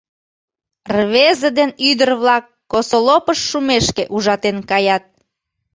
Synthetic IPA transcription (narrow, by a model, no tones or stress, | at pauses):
rβezəd̪enyd̪ərβlɑkːosolopəʃːumeʃkeʔuʒɑt̪enkɑjɑt̪̚